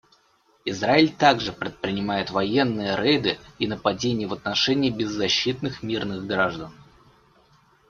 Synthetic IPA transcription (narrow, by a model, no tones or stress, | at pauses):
ɪzraɪlʲt̪aɡʐɨpɾʲɪt̪̚pɾʲɪnʲɪmajɪt̪vɐjenːɨjəɾɛjd̪ɨinəpɐdʲenʲɪjəvət̪nɐʂɛnʲɪːbʲɪzːɐɕːit̪̚nɨxmʲirnɨɣɡɾaʐd̪ən